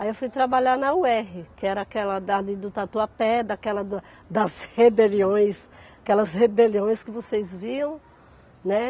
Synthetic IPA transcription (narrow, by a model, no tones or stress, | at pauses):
aiewfujt̪ɾabaʎanɐuɛɦɪkɪɛɾɐakɛlɐd̪alid̪ʊt̪at̪uɐpɛd̪ɐkɛlɐd̪ | d̪ɐshebeliõj̃sakɛlɐzhebeliõj̃skɪvosejzviɐ̃w̃ | nɛ